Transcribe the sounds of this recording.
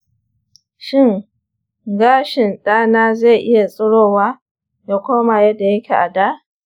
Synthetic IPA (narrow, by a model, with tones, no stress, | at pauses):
ʃɪ˦ŋ | ɡaː˦ʃɪ˨nɗaː˦naː˦za˦˨ʔɪ˦ja˨sʼʊ˦ɽoː˦waː˦ | ja˦kʷoː˦ma˨jɐ˦dːa˨jɐ˦kʲʰe˨ʔa˨daː˦ʔ